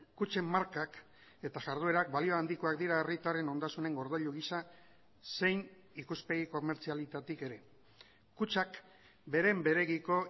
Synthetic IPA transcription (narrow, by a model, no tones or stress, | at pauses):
kut͡ʃe̞mːaɾkak | e̞t̪aʝaɾð̞oe̞ɾak̚balio̞and̪iko̞akd̪iɾaerit̪are̞no̞nd̪asune̞ŋɡo̞ɾð̞aʎuɣ̞isa | se̞jn | ikuspe̞ɣ̞iko̞me̞ɾt͡sialit̪at̪ike̞ɾe̞ | kut͡ʃak | be̞ɾe̞mbe̞ɾe̞ɣiko̞